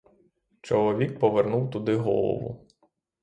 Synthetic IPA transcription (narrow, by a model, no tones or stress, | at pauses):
t͡ʃɔlˠɔʋʲik̚pɔʋernuwt̪ʊd̪ɪɦɔ̰lˠɔ̰ʋʊ̰